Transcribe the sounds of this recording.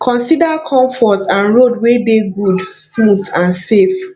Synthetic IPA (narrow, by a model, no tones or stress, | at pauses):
kʰɔ̃nsidakʰɔ̃mfɔtãnɹodwedeɡud | smutãnsef